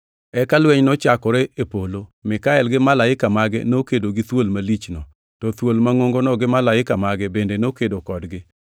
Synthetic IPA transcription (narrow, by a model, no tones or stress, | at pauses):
ɛkalwɛɲnɔt͡ʃakɔɾɛepolomɪkaɛlɡɪmalaɪkamaɡɛ̰nokedoɡɪt̪wolmalit͡ʃnɔ | tɔt̪wolmaŋoŋɡonɔɡɪmalaɪkamaɡɛbendenokedokɔdɡɪ